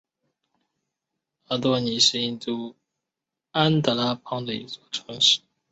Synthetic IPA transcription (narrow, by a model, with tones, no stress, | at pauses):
a˥˩t̪wɔ˥˩ni˨˧˥ʂɻ̩˥˧i˥˧nt̪u˥˩ | a˥nt̪ə˧˩la˥pʰɑ˥ŋd̪ə˨˩ḭ˧˥t͡swɔ˥˩ʈ͡ʂʰɤ˧˥ŋʂɻ̩˥˩